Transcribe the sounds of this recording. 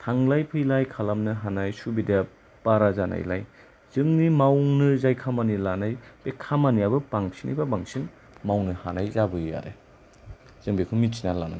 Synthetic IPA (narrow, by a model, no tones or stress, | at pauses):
tʰaŋlajpʰɯjlajkʰalamnɯɦanajsubida | baɾazana̰jla̰j | z̥ɯŋnimawnɯzajkʰamanilanajb̥ekʰamanijabɯpaŋsina̰jbabaŋsin | mawnɯhanajzabɯjja̰ɾḛ | z̥ɯŋbekʰɯmitsinalana̰